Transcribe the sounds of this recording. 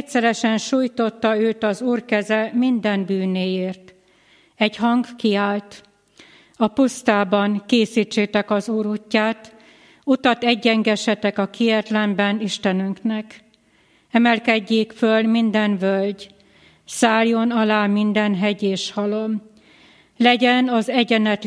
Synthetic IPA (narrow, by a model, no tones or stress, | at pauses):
ɛsɛɾɛʃɛnʃuːjt̪o̞t̪ːɒøːt̪ɒzuːrkɛzɛmind̪ɛnbyːneːjeːrt̪ | ɛɟhɒŋɡkiaːlt̪ | ɒpust̪aːbɒŋkeːsiːt͡ʃːeːt̪ɛkɒzuːɾucːaːt̪ | ut̪ɒt̪ɛɟːɛŋɡɛʃɛt̪ɛkɒkʰijɛt̪lɛmbɛniʃt̪ɛnyŋknɛk | ɛmɛlkɛɟːeːkfølmind̪ɛnvølɟ | saːljo̞nɒlaːmind̪ɛnɦɛɟeːʃhɒlom | lɛɟɛnɒzɛɟɛnɛt̪